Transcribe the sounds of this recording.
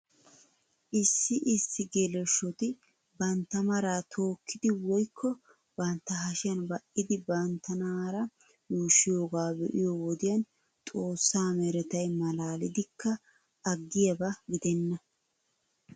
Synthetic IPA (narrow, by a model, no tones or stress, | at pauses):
ʔɪsːɪʔɪsːɪɡelɛʃːɔt̪ɪ | bɐnt̪ːɐmɐɾaːt̪ʰo̞ːkːɪd̪ɪwɔjkːɔ | b̥ɐnt̪ːɐɦɐʃɪjɐnbɐʔɪd̪ɪbɐnt̪ːɐnaːɾɐ | juːʃːɪjo̞ːɡaːbɛʔɪjoːwɔd̪ɪjɐn | t̪ʼo̞ːsːaːmɛɾɛt̪ɐjmɐlaːlɪd̪ɪkːɐː | ɡːɪjɐbɐɡɪd̪ɛnːɐ